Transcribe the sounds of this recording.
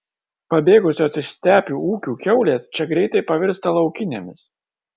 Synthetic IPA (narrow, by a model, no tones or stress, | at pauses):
pɐbʲeːɡʊsʲoːsɪʃsʲt̪ʲæːpʲuːuːkʲuːkʲɛʊlʲeːst͡ʃʲɛɡɾʲɛɪt̪ɐɪpɐʋʲɪɾst̪ɐlˠɒʊkʲɪnʲḛmʲɪs